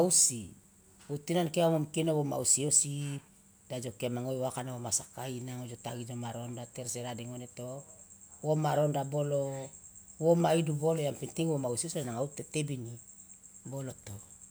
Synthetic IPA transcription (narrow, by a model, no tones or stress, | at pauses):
ausi | utːinankeamomkinoβoma̰usiosi | d̥ad͡ʒo̞keamaŋojwakanaβomasakainaŋod͡ʒotaɡid͡ʒomaɾondateɾseɾadeŋonetowomaɾondabolo | womaidubolojampintiŋwomausiosianaŋautetebini | boloto